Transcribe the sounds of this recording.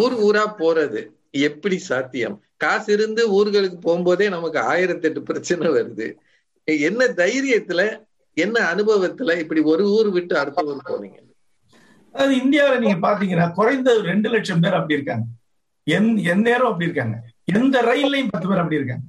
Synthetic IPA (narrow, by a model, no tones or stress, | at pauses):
uːɾɯuːɾaːpoːɾɐðɯ | ɛpːɐɽisaːt̪ːɪjɐ̰m | kaːsɪɾɯnd̪ɯuːɾɯɣɐɭɯkːɯpoːɣɯmboːðeːnɐmɐkːɯa̰ːjɪɾɐt̪ːɛʈːɯpɪɾɐt͡ʃːɐnɐʋɐɾɯðɯ̰ | ɛnːɐd̪ɐjɪɾɪjɐt̪ːɪlɐ | ɛnːɐːnɯbɐʋɐt̪ːɪlɐɪpːɐɽiɔɾɯuːɾɯʋɪʈːɯɐɽɯt̪ːɐʋɐɾɯpo̰ːnḭːŋɡɐ | ɐðɯɪnd̪ɪjaːʋɐlɐniːŋɡɐpaːɾt̪̬iːŋɡɐnːaːkʊɾɐɪnd̪ɐɾɛɳɖɯlɛʈʂɐmpeːɾɐpːɐɽiɪɾɯkːaːŋɡɐ | ɛnɛnːeːɾɐ̃ɐpːɐɽiɪɾɯkːaːŋɡɐɛnd̪ɐɾɐɪnlɐjmpɐt̪ːɯmeːɾɐp̬ːɐɽiɪɾɯkːaːŋɡɐ